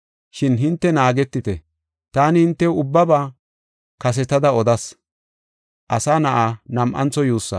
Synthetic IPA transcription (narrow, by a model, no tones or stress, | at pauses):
ʃɪnɦɪnt̪ːɛnaːɡɛt̪ːɪt̪ɛ | t̪aːnɪhɪnt̪ːɛʊbːɐbaː | kɐs̬ɛt̪ɐd̪ɐɔd̪ɐs | ʔɐsaːnɐʔaːnɐmʔɐ̰nt͡sːɔjuːsːɐ̰